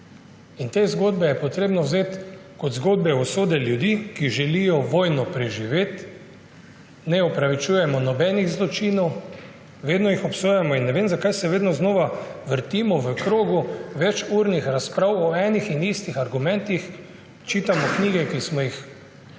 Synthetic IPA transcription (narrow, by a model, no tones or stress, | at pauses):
int̪eːzɡoːd̪bɛjɛpɔt̪ɾeːbnɔwzeːt̪kɔd̪zɡoːd̪̚bɛɔsoːd̪ɛljud̪ikiʒɛlijɔʋɔːjnɔpɾɛʒiʋeːt̪ | nɛɔpɾaʋit͡ʃujɛmɔnɔbɛːniɣzlɔt͡ʃiːnɔw | ʋeːd̪nɔjixɔpsoːjɛmɔinːɛʋeːmzakajsɛʋeːd̪nɔznoːʋaʋəɾt̪iːmɔʋəkɾoːɡuʋɛt͡ʃuɾnixɾaspɾawɔɛːnixinist̪ixaɾɡumɛ̃nt̪ix | t͡ʃiːt̪amɔkniːɡɛkismɔjix